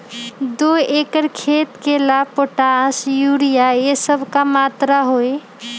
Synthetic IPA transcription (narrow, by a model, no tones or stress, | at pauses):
d̪oekəɾkʰet̪kelapoʈasjuɽijaesəbʱkamat̪ɾaɦoj